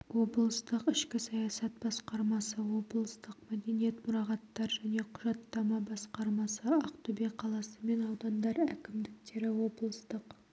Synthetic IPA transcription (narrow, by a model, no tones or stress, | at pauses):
wo̞blˠəst̪əqɪʃkʲɪsɑjɑsɑt̪̚b̥ɑsqɑɾmɑsəwo̞blˠəst̪əqmæd̪e̞nijet̪mʊɾɑʁɑt̪ːɑɾʒæne̞qʰʊʒɑt̪ːɑmɑbɑsqɑɾmɑsəɑqt̪ubeqʰɑlˠɑsəme̞nɑwd̪ɑnd̪ɑɾækʲɪmd̪ɪk̚t̪e̞ɾɪwo̞blˠəst̪əq